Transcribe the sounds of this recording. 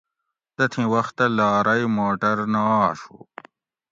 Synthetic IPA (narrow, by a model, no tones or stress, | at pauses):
t̪ɐt̪ʰĩwɐxt̪ːɐlaːɾɐjmoːʈɐɾnaːʂṵ